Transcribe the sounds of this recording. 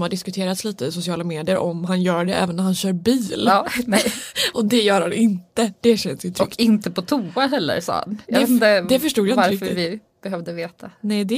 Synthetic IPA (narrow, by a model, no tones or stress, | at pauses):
mhaɖɪskɵt̪ʰeːɾat̪sliːt̪əɪsʊsɪɑːlameːd̪ɪjəɾʔɔmɦanjœːɖɛɛ̰ːvənːæɾhanɕœːɾbiːlːnɛʔɔd̪ɛjœːɾhanɪnt̪əd̪̥ɛɕɛnsjɵt̪ʰɔʏkːɪnt̪əpɔt̪ʰuːaɦɛlːə̰ɾsɑ̰ːa̰ndɛəd̪ɛfœʂʈuːd̪jaɪaɾɾɪkfœɪvɪ | b̥ɛɦœvd̪əveːt̪ʰanɛd̪ɛ